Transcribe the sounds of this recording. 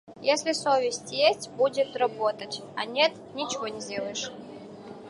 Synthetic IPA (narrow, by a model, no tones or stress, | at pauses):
jesʲlʲɪsovʲɪsʲtʲjesʲtʲbudʲɪt̪rɐbot̪ətʲɐnʲet̪ | nʲɪt͡ɕɪvonʲɪzʲdʲelˠəjɪʂ